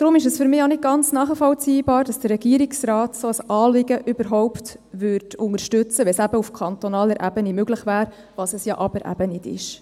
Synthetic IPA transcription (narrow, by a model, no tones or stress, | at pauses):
d̥ɾʊmɪʃəsfʏɾmɪːonɪt̚ɡ̥ɑnt͡snɑːχəfɔlt͡siːbɑːɾd̥ɑsd̥ərːɛɡiːɾɪksrɑːtsoəsɑːlɪɡəʔʏbəɾɦɔʊpt | ʋʏɾdʰʊŋəɾʃtʏt͡səʋɛsæbəufkʰɑnt̪onɑːləɾʔæbənimøɡləχʋæːɾ | vɑsəsjɑ̰ːʔɑb̥əɾʔæ̰b̥ənɪdɪ̰ʃ